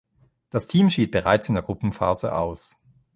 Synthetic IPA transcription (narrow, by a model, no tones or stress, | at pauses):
d̥astʰiːmʃiːt̚b̥əʁaɪt͡sɪndeːɐɡ̥ʁʊpm̩fa̰ːzə̰ʔa̰ʊs